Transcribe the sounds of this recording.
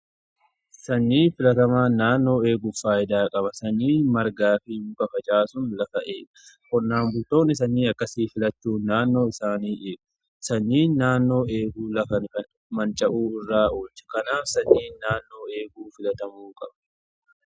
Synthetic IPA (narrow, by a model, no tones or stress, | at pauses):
sɐɲːiːfɪlɐt̪ɐmaːnːaːnːo̞ːeːɡʊfaːjɪd̪aːkʼɐbɐsɐɲːiːmɐɾɡaːfɪŋkɐfɐt͡ʃʼaːsʊnlɐfɐʔeːkɐ̥ | kɔnːaːmbʊlt̪o̞ːnːɪs̬ɐnːiːɐkːɐsiːfɪlɐt͡ʃːuːnaːnːo̞ːɪsaːniːʔeːɡʊ̥ | sɐɲːiːnːaːnːo̞ːeːɡuːlɐfɐn | mɐnt͡ʃʼːɐʔuːɪrːaːʔoːt͡ʃːɐ̥kɐnaːfsɐɲːiːnːaːnːo̞ːe̞ːɡuːfɪlɐt̪ɐmuːkʼɐbɐ̥